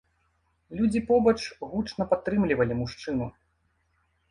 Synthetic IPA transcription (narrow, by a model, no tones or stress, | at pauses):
lʲud͡zʲipɔbɐt͡ʂɣut͡ʂnɐpat̪ːɾɨmlʲivɐlʲimuʂt͡ʂɨnu